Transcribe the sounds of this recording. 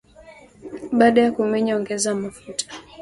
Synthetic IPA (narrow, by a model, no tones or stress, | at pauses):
ɓaːɗajakumɛɲɔŋɡɛzamafutʰḁ